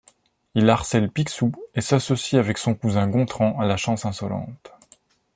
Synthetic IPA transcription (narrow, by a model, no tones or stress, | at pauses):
ilaʁsɛlpiksuesasɔsiavɛksɔ̃kuzɛ̃ɡɔ̃t̪χɑ̃alaʃɑ̃sɛ̃sɔlɑ̰̃t̪